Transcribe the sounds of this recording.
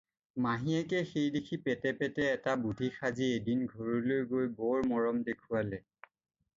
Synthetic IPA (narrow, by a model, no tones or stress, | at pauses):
maɦiɛkɛxejdekʰipɛtɛpɛtɛːtabudʱixʰaziedinɡʱoɹulojɡojbɔɹmɔɹɔmdekʰualɛ